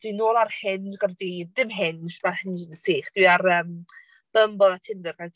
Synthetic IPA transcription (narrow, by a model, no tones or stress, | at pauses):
d̥winoːlˠarhɪnɡardiðdɪmɦɪnʃmarhɪnd͡ʒənəseːχd̥wiaɾəːm | b̥əmbɔðatʰɪndɛrɡ̥a